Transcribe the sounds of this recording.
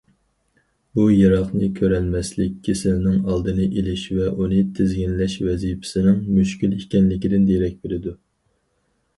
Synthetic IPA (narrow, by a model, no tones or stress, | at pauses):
bujɑɾɑχnɨkʲʰøɾɛnmɛslɪkʲʰːɪsɪlnɪŋɑlˠd̪ɨnɨʔelɪʃvɛʔunɨt̪ʰɪzɡʲinlɛʃvɛzijpʰɪ̥sɪnɪŋmyʃkʲylikʲɛnlɪkʲid̪ɪnd̪eɾɛk̚ʲbelɪd̪u